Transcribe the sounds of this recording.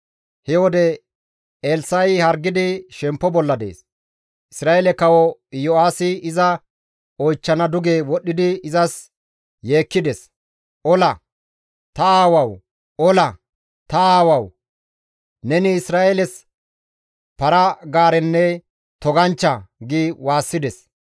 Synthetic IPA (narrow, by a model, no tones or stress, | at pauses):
hɛwɔd̪ɛ | eːlsɐjhɐɾɡɪd̪ɪʃɛmpːɔbɔlːɐd̪ḛːs | ʔɪsɾaːeːlɛkɐwɔjɔaːsɪɪzɐ | ɔjt͡ʃːɐnɐd̪ʊɡeːwɔɗːɪd̪ɪɪzɐs | jeːkːɪd̪ɛs | ʔɔlɐ | t̪ɐaːwɐw | ʔɔlɐ | t̪ɐaːwɐw | nɛnɪːsɾaːʔelɛs | pɐɾɐɡaːɾɛnːɛ | t̪ɔɡɐnt͡ʃːɐɡɪwaːsːɪd̪ɛs